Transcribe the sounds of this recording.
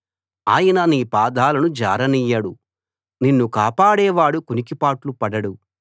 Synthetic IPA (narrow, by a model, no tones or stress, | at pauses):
aːjɐnɐniːpaːd̪aːlɐnud͡ʒaːɾɐnijɐɽu | ninːukaːpaːɽɛːʋaːɽukunikipaːʈlupɐɽɐɽu